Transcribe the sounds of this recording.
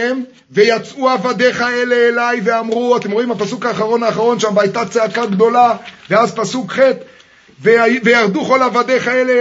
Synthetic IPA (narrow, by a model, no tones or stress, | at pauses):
em | ve̞jat͡suavad̪e̞χaeleːlajve̞amʁuat̪emʁoimapasukaːχaʁo̞naːχaʁo̞nʃambaːajt̪at͡seakaɡd̪o̞laveazpasukχet̪ | veavejaʁd̪uχo̞lavad̪e̞χaele